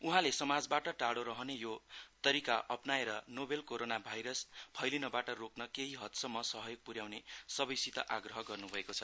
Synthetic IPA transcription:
uɦãlesʌmad͡zbaʈʌʈaɽoɾʌɦʌnejot̪ʌɾikaʔʌpnaeɾʌnobelkoɾonabʱajɾʌspʰʌjlinʌbaʈʌroknʌkeɦiɦʌt̪sʌmːʌsʌɦʌjoɡ̚puɾjawnesʌbʌjsit̪ʌʔaɡrʌɦʌɡʌrnubʱʌekot͡sʰʌ

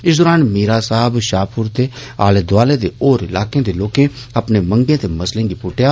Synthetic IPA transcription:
ɪsd̪oːɾaːnmiːɾaːsaːbʃaːpʰʊɾt̪eːa̰ːleːd̪ʊaːleːd̪eːoːɾɪlaːkẽːd̪eːloːkẽː | əpneːməŋɡẽːt̪eːməslẽːɡiːpʊʈɪjaː

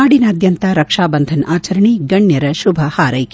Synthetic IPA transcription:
aːɽinɐːd̪jɐnt̪aɾɐkʂaːbɐnd̪ʱɐnaːt͡ʃɐɾɐɳiɡɐɳjɐɾɐʃubʱɐhaːɾɐjk

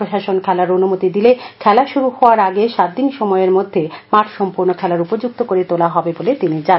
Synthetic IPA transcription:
ɾoʃaʃonkʰɛlaɾonumot̪id̪ilekʰɛlaʃuɾuhɔoaɾaɡeʃat̪̚d̪inʃɔmɔeɾmod̪ʱːemaʈʰʃɔmpuɾnokʰɛlaɾupod͡ʑuk̚t̪okoɾet̪olaɦɔbebolet̪inid͡ʑa

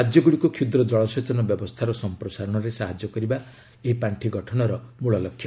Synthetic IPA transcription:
ad͡ʒjɔɡuɭikukʰud̪ɾɔd͡ʒɔɭɔsɔt͡ʃɔnɔbjɔbɔst̪ʰaɾɔsɔmpɾɔsaɾɔɽ̃ɔɾesaɦad͡ʒjɔkɔɾiba | eɦipaɳʈʰiɡɔʈʰɔnɔɾɔmuɭɔlɔkʰːjɔ

